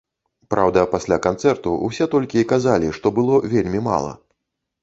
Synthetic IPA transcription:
pɾʔawd̪ɐpasʲlʲakant̪sɛrt̪uṵsʲɛt̪ɔlʲkʲiikazalʲiʂt̪ɔbɨlˠɔvʲelʲmʲima̰lˠɐ̰

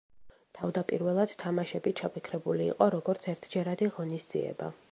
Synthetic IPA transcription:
t̪ʰavd̪apʼiɾvɛlˠad̪̥t̪ʰːamaʃɛbit͡ʃʰapʰikʰɾɛbulḭːqʼɔɾɔɡɔɾt̪sʰɛɾt̪ʰd͡ʒɛɾad̪iʁɔnisd̪zḭɛ̰ba̰

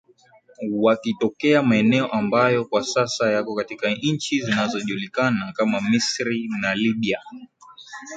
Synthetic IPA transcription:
wakitɔkɛamaɛnɛɔʔambajɔkwasasajakɔkatikaɲt͡ʃizinazɔʄulikanakamamisɾinaliɓia

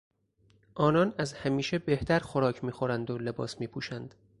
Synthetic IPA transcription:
ʔɒːnɒːnæzhæmiːʃe̞beht̪ʰæɾxoɾɒːcʰmiːxo̞ɾænd̪ole̞bɒ̰ːsmiːpʰuːʃænd̪̥

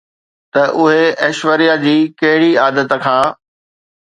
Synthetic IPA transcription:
t̪ɐʔʊɦeɐʃʋəɾijad͡ʑiːkɐɦɪɽiaːd̪ət̪̆kʰãː

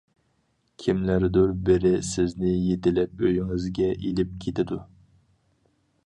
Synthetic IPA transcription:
kʲʰimlæɾd̪uɾbɪɾɪsɪznɪjet̪ɪlɛp̚øjɪŋɪzɡʲɛʔilɪp̚kʲʰet̪ʰɪd̪u

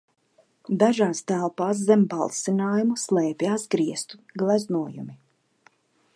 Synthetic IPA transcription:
d̪aʒaːst̪ælˠpaːs̬zɛmbalˠsinaːjumuslˠɛːpjaːsɡɾiɛst̪u̥ɡlˠæznuɔjṵmi

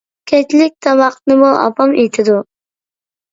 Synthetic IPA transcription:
kʲʰɛt͡ʃlɪk̚ʲt̪ʰɑmɑqnɨmuʔɑ̰pʰɑmejt̪ʰɪd̪u

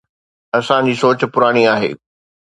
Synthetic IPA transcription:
ɐsãd͡ʑiːsoːt͡ɕpʊɾaːɽ̃iaːɦḛː

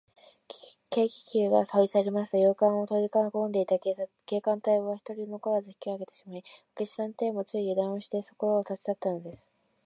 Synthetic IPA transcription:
ke̞ːkʲi̥kʲɨːɡasaisaɾemasɨ̥t̪ojoːkãɰ̃o̞t̪o̞ikankond̪e̞it̪akesa | ke̞ːkãnt̪aiboβaçi̥t̪o̞ɾʲinokoazɨçi̥kʲioaɡe̞t̪e̞ɕimaiakeɕi̥sãnt̪eːmo̞t͡sɨijɯ̟d̪ãɰ̃oɕi̥t̪e̞so̞̥ko̞ɾoːt̪at͡ɕi̥t̪at̪ːano̞d̪e̞sɨ̥

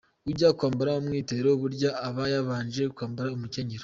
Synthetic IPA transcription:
uɟakwaːmbaɾaumŋiːte̞ɾoβuɾɟaːβajaβaːnʒe̞kwaːmbaɾaumuce̞ɲeɾo

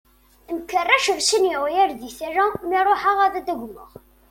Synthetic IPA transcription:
nkːərˤːæʃəɾsənjɪʁjæɾðiθæɾæmiɾˤoħaʁæðæd̪æɡʷməʁ

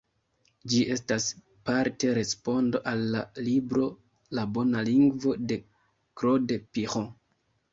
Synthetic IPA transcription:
d͡ʒie̞stas | paɾte̞ɾe̞spo̞ndo̞ʔalːalibɾo̞ | labo̞naliŋɡvo̞de̞ | kɾo̞depiχo

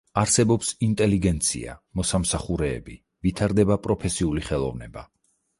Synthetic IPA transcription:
aɾsɛbɔpsint̪ʼɛliɡɛnt̪sʰḭa̰mɔsamsaχuɾɛ̰ːbi | vit̪ʰaɾd̪ɛbapʼɾɔpʰɛsiuliχɛlˠɔ̰vnɛba̰

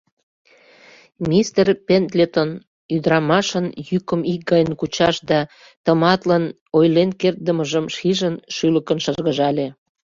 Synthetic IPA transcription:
mʲist̪erpʲent̪lʲet̪on | yd̪ɾɑmɑʃənjykəmik̚ɡɑjənkut͡ɕɑʃd̪ɑ | t̪ə̆mɑt̪lən | ojlenkert̪̚d̪əməʒəmʃiʒənʃyləkənʃərɣəʒɑlʲe

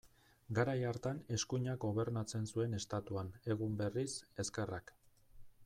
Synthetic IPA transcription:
ɡaɾajaɾt̪ane̞skuɲaɡɡo̞β̞e̞ɾnat͡se̞nsue̞ne̞st̪at̪uane̞ɣumbe̞rise̞ske̞rak

